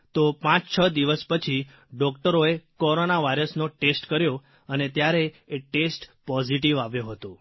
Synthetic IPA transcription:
t̪opãt͡ʃt͡ʃʰəd̪iʋəspət͡ʃʰi | ɖɔkʈəɾoekoɾonaʋajɾəsnoʈesʈkəɾjo | ənet̪jaɾe | eʈesʈpɔd͡ʒiʈ̬iʋaʋjoɦət̪o

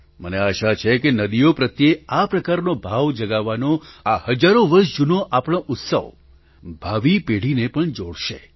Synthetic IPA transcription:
məneaʃat͡ʃʰekenəd̪ijopɾət̪jeapɾəkaɾnobʱaʋd͡ʒəɡaʋːanoahəd͡ʒaɾoʋəɾʃd͡ʒunoʔapɽ̃oʔʊt̪sə̰ʋ | bʱaʋipeɽ̤inepəɳd͡ʒoɽʃe

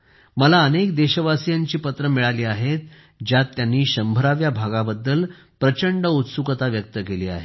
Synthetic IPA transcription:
məlaənekd̪eɕəʋasijaɲt͡ɕiːpət̪ɾəmiɭaliːaɦet̪̚ | d͡ʑjat̪ːjanːiːɕəmbʱəɾaʋjabʱaɡabəd̪ːəl | pɾət͡ɕəɳɖəut̪sukət̪aʋjək̚t̪əkeliːa̰ɦe

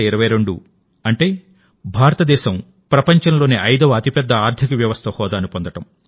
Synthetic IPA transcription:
iɾɐʋɐjɾe̞ɳɖu | ɐɳʈeː | bʱaːɾɐt̪ɐd̪ɛːʃɐm | pɾɐpɐɲt͡ʃɐnlo̞ːneːʔɐjd̪ɐʋɐɐt̪ipɛd̪ːɐaːɾd̪ʰʱikɐʋjɐʋɐst̪ʰɐhɔːd̪aːnupond̪ɐʈɐm

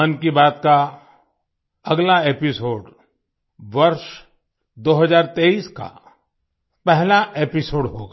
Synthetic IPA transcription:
ənkibaːt̪ka | ɐɡlaeːpɪsoːɖ | ʋɐɾʃ | d̪oːɦɐzaːɾt̪eːiːska̰ | pɛɦlaepɪsoːɖɦo̰ːɡa

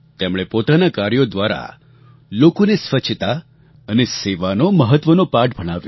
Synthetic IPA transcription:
t̪emɭ̃epot̪anakaɾjod̪ʋaɾa̰ | lokonesʋət͡ʃʰt̪a | əneseʋanoməɦət̪ʋənopaʈ̚bʱəɽ̃aʋjo

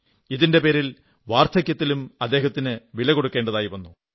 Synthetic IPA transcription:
iðinde̞pe̞ːɾil | ʋaːrt̪ʰɐkʲjɐt̪ːilumɐd̪ːe̞ːɦɐt̪ːinɨʋilɐko̞ɽukːe̞ːɳɖɐðaːjiʋɐnːu

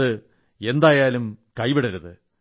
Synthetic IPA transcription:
ɨ | e̞nd̪aːjaːlumkɐjpiɽɐɾɐðɨ

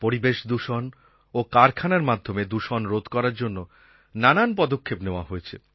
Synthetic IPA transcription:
poɾibeʃd̪uʃon | okaɾkʰanaɾmad̪ʱomed̪uʃonɾod̪kɔɾaɾd͡ʑonːo | nananpɔd̪okʰːepneoa̰ɦoet͡ɕʰḛ

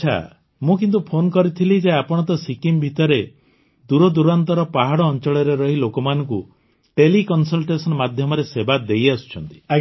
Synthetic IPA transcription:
t͡ʃʰa̰ | mũkint̪upʰonkɔɾit̪ʰilid͡ʒeapɔɽ̃ɔt̪̬ɔsikimbʱit̪ɔɾe | d̪uɾɔd̪uɾant̪ɔɾɔpaɦaɽɔːnt͡ʃɔɭɔɾeɾɔɦilokɔmanɔ̃ŋku | ʈelikɔnsɔlʈesɔnmad̪ʱjɔmɔɾesebad̪ejasu̥t͡ʃʰɔnt̪i̥

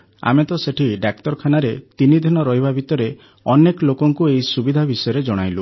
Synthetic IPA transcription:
a̰met̪ɔseʈʰiɖak̚ʈɔɾɔkʰanaɾet̪inid̪ʱinɔɾɔɦibabʱit̪ɔɾe | ɔnekɔlokɔŋkueisubid̪ʱabisɔjɔɾed͡ʒɔɽ̃ajlu

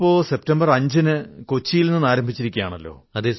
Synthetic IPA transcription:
pːo̞ːse̞p̚tɐmbɐrɐɲd͡ʑɨnɨkot͡ɕːijilnenːɨnaːɾɐmbʱit͡ɕːiɾikʲːujaːɳɐlːo̰ːɐðe

